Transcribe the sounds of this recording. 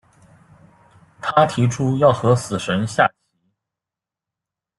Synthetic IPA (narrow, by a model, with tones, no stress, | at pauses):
t̪ʰa˥t̪ʰi˧˥ʈ͡ʂʰu˥jɑ˥˩ʊxɤ˧˥sɹ̩˨˩ʂə˧˥nɕja̰˥˩t͡ɕʰi˧˥